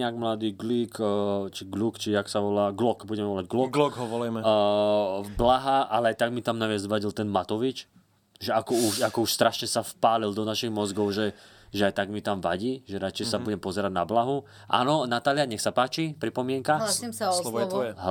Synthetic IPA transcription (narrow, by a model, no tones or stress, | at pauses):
aɡmlad̪iːɡlikːt͡ʃiɡlukt͡ʃiaksaʋɔlaːɡlɔkbuɟɛmɛʋɔlaɟɡlɔkɡlɔɡɦɔʋɔlajmɛ | blaɦaʔalɛajt̪aɡmit̪amnaʋɪazʋaɟilt̪ɛnmat̪ɔʋit͡ʃ | ʒɛakɔuʃakɔuʃst̪ɾaʃɲɛsafpaːlild̪ɔnaʃiɣmɔzɡɔʊʒɛ | ʒɛajt̪aɡmit̪amʋa̰ɟiːʒɛɾat͡ʃɛjsabuɟɛmpɔzɛɾaɟna̰blaɦu | ʔa̰ːnɔnat̪aːlɪaɲɛxsapaːt͡ʃipɾipɔmɪɛŋkaɦlaimsaslɔɔɛɔɦ